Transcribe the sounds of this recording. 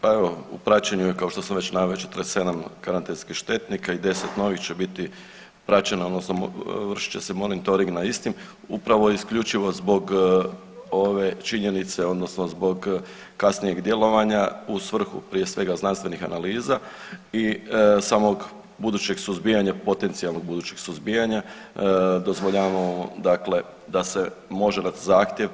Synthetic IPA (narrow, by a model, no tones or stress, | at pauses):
pae̞ʋo̞ṵpɾat͡ɕeɲujekao̞ʃt̪o̞samʋe̞t͡ɕnaʋeot͡ʃet̪ɾese̞d̪amkaɾant̪enskixʃt̪e̞t̪nikaid̪e̞set̪no̞ʋixt͡ɕe̞bit̪i | pɾat͡ɕe̞naod̪no̞snoʋr̩ʃi̥t͡ɕe̞se̞mo̞nit̪o̞ɾiŋɡnaist̪im | upɾaʋoiskʎut͡ʃiʋo̞zbo̞ɡ | oʋe̞t͡ʃiɲe̞nit̪se̞o̞d̪no̞sno̞zbo̞ɡ | kasnije̞ɡd̪je̞lo̞ʋaɲausʋr̩xṵpɾije̞sʋe̞ɡaznanst̪ʋe̞nixa̰naliːzaisaːmo̞ɡ | bud̪uːt͡ɕe̞ɡsuzbijaɲapo̞t̪e̞nt̪sialˠno̞ɡ̚bud̪uːt͡ɕe̞ɡ̥suzbijaɲa | d̪o̞zʋoʎaʋaod̪akle̞ | d̪ase̞mo̞ʒed̪at̪zaːxt̪je̞ʋ